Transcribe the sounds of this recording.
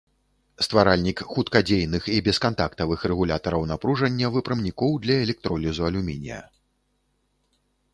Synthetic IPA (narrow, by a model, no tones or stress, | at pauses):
st̪vaɾalʲnʲikxut̪kad͡zʲejnɨxibʲɛskant̪akt̪ɐvɨxrɛɣulʲat̪ɐɾɐwnapɾuʐɐnʲːɐvɨpɾɨmnʲikɔwd̪lʲɐɛlʲɛk̚t̪ɾɔlʲizuɐlʲumʲinʲḭjɐ̰